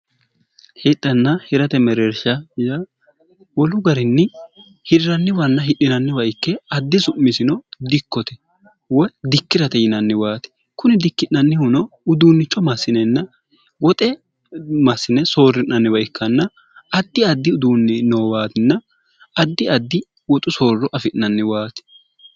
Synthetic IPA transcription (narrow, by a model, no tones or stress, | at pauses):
hɪɗːɐnːɐhɪɾɐt̪ɛmɛɾɛɾʃɐjɐ | wɔlʊɡɐɾɪnːɪ | hɪɾɪɾɐnːɪwɐnːɐɦɪɗɪnɐnːɪwɐɪkːɛɐd̪ːɪsʊmːɪsɪnɔd̪ɪkːɔt̪ɛ̥ | wɔd̪ɪkːɪɾɐt̪ɛjɪnɐnːɪwaːt̪ɪ̥ | kʊnɪd̪ɪkːɪnːɐnːɪhʊnɔʊd̪uːnːɪt͡ʃːɔmɐsːɪnɛnːɐ | wɔt̪ʼɛ | mɐsːɪnɛsoːrːɪʔnɐnːɪwɐjɪkːɐnːɐ | ɐd̪ːɪɐd̪ːɪʊd̪uːnːɪnoːwaːt̪ɪnːɐ | ɐd̪ːɪɐd̪ːɪ | wɔt̪ʼʊso̞ːrːɔʔɐfɪʔɐnːɪwaːt̪ɪ̥